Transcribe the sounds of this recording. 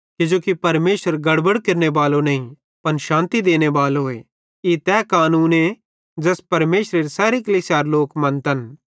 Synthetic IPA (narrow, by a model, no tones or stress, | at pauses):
kɪd͡ʒoːkipɐɾmeːʃəɾɡɐɽbəɽkeɾnebaːlonɐĩ | pɐnʃãːnt̪id̪eːnebaːloḛ | it̪ɛːkaːnuːne | d͡ʒɛːspɐɾmeːʃɾeɾsɛːɾikɐlisjaːɾloːkmɐ̃nt̪ɐn